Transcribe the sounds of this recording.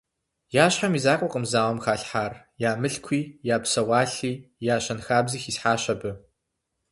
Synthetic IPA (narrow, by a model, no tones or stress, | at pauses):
jaːɕħamizaːkʷʼɔqʼəmzaːwɐmxaːɬħaːr | jaːmɨɬkʷʰiːjaːpsɐwaːɬiːjaːɕɐnxaːbziːxisħaːɕɐbɨ